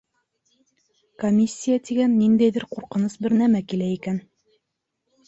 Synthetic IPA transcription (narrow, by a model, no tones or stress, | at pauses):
komʲisʲːijat̪iɡænːind̪æjðɘɾquɾqɤ̆nɤsbɘɾnæmækilæikæn